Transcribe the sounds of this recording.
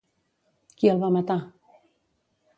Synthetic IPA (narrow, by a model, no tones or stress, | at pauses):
kialˠβamat̪a